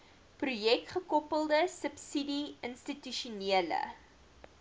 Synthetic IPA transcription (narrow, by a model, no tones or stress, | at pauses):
prujɛkχəkɔpəlˠdəsəpsidiənstityʃuniələ̰